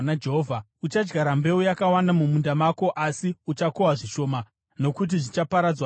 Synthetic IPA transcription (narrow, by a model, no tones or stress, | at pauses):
nad͡ʒeɦovʱa | ut͡ʃad͡ʒɡaɾambe̞ujakawandamumundamako̞ʔasiut͡ʃakowaʐiʃo̞ːma | no̞kut̬iʐit͡ʃapaɾad͡zwa